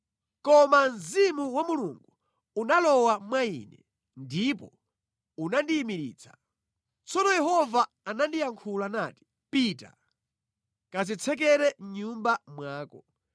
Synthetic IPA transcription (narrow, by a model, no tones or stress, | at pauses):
kɔmanzimuwamuluŋɡu | unalɔwamwaḭnɛ̰ | ndipɔ | unandiːmiɾḭːt͡sʰḁ | t͡sɔnɔjɛɦɔvaːnandijaŋkʰulanaːti̥ | pita̰ | kazit͡sʰɛk̬ɛɾɛɲumbamwaːkɔ